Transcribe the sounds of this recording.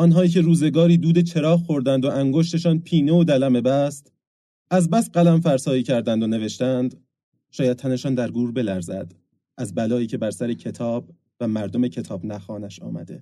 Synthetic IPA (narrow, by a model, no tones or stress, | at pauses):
ʔɒnɦɒːiːcʰe̞ɾuːze̞ɡɒːɾiːd̪uːd̪et͡ʃʰe̞ɾɒːhxo̞ɾd̪ænd̪oʔæŋɡo̞ʃt̪e̞ʃɒːnpʰiːneod̪ælæme̞bæst̪ | æzbæst̪̚ɢælæmfæɾsɒːiːcʰæɾd̪ænd̪one̞ve̞ʃt̪ænd̪ | ʃɒːjæd̪̚t̪ʰæne̞ʃɒːnd̪æɾɡuːɾbe̞læɾzæ̰d̪̥ | ʔæzbælɒːiːcʰe̞bæɾsæɾecʰe̞t̪ʰɒːb̥̚ | væmæɾd̪o̞me̞cʰe̞t̪ʰɒːbnæxɒːnæʃɒ̰ːmæ̰d̪e̞̰